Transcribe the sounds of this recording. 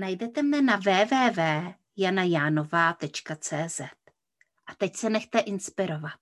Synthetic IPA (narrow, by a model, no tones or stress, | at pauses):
najdɛt̪ɛmnɛnavɛːvɛːvɛː | janajaːno̞vaːt̪ɛt͡ʃkat͡sɛːzɛt̪̚ | ʔat̪ɛcsɛnɛxt̪ɛʔɪnspɪɾo̞vat̪̚